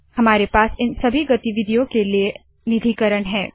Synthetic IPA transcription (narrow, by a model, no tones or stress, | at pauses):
hɐmaːɾepaːsɪnsɐbʱiɡɐt̪iʋɪd̪ʱijõkelie | nɪd̪ʱiːkəɾəɽ̃ɦɛː